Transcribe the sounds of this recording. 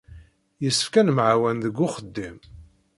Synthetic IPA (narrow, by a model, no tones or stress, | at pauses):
jəsːə̥fkænmʕawænðəɡːʊχəd̪ːim